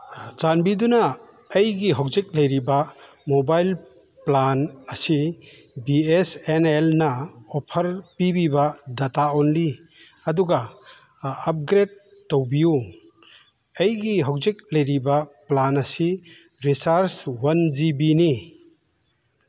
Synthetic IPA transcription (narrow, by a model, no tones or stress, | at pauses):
d͡ʒanbidunɐː | jɡiɦɔk̚zik̚lɐjɾiba | mobajl | plan | ɐsi | biesenelnɐ | ɔpʰɐɾpibibadataonli | ɐduɡaː | p̚ɡɾed̚ː | owbiju | ɐjɡiɦɔk̚zik̚lɐjɾiba | planɐsi | ɾisaɾswɐnd͡ʒibini